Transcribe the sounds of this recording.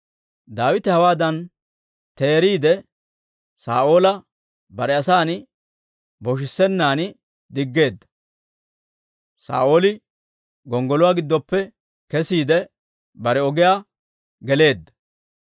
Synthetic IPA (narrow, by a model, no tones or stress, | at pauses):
d̪aːwɪt̪ɪhɐwaːd̪ɐn | t̪e̞ːɾiːd̪ɛ | saːʔo̞ːlɐ | bɐɾɛɐsaːnɪ | bɔʃ̬ɪsːɛnːaːnɪ | d̪ɪɡːe̞ːd̪ːɐ̥ | sa̰ːʔo̞ːlɪ | ɡɔŋɡɔlʊwaːɡɪd̪ːɔpːɛ | kɛsiːd̪ɛ | bɐɾɛɔɡɪjaː | ɡɛle̞ːd̪ːɐ̥